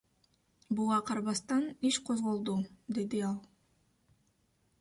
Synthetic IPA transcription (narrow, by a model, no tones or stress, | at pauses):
buʁɑqʰɑɾβɑst̪ɑniʃqʰo̞zʁo̞lˠd̪ud̪e̞d̪iɑlˠ